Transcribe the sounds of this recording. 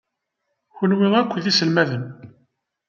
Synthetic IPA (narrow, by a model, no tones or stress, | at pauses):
çənwɪʁækʷːðisəlmæðən